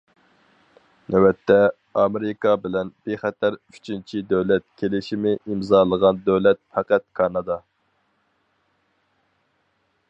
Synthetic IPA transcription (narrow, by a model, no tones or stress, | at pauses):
nʔɛwɛt̪ʰːɛ | ɑmeɾɪkɑbɪlɛnb̥eχɛt̪ʰæɾy̥t͡ʃʰint͡ʃʰid̪øwlɛt̪̚kʲʰelɪʃimɪʔimzɑːlˠəʁɑnd̪øwlɛt̪̚fæqæt̪̚kʰɑnɑd̪ɑ